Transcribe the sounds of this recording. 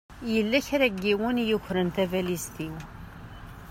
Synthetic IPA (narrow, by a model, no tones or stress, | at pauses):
jəlːæçɾæɡːiwənjuçɾənt̪ævælist̪iw